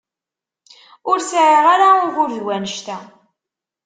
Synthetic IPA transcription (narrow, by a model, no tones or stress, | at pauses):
ʊɾsʕiʁaɾaʊʝʊɾðwænəʃt̪æ